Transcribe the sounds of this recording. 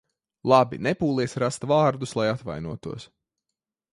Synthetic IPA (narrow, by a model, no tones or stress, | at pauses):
lˠabḭnepuːlˠiɛsʲɾast̪vaːɾd̪uslˠajat̪va̰jnuɔt̪uɔs